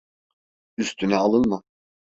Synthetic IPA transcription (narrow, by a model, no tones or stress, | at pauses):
yst̪ʰynɛalˠɯnmɯ